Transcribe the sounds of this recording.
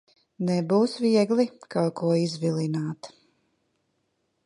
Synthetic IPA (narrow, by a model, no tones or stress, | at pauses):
nɛbuːsviɛɡlikawkuɔizvilˠinaːt̪